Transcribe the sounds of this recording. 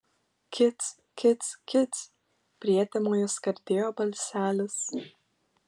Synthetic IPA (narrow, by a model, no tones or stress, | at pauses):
kʲɪt̪s | kʲɪt̪skʲɪt̪s | pʲɾʲiɛt̪ʲɛmoːjoːskɐɾʲd̪ʲeːjoːbɐlʲsʲæːlʲɪs